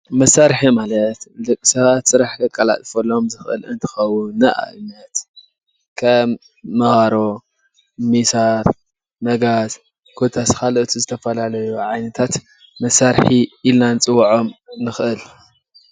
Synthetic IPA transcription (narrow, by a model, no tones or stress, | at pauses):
mɐsaɾħimalɐt̪lɨkʼːisɐβat̪sɨɾaħkɐkʼːɐla̰t̪ʼfɐlo̞mzɨxʔɨ̰lɨnt̪ʰɨ̥xɐwʊnːɐʔa̰ʔɨnɐt̪ | kʰɐmː | ɐɣaɾo̞ | misaɾ | mɐɡaz | ɡʰot̪ʰaskalʔɨt̪ʰizɨt̪ʰɐfɐlalɐjuʕajnɐt̪ʰat̪ | mɐsːaɾħiilnanɨt͡sʼɨwʕo̞mnɨxʔɨl